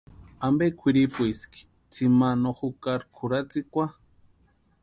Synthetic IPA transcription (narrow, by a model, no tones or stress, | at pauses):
ambekʰʷiɾipuiski̥ | t͡simanoxukaɾkʰuɾat͡sikʷa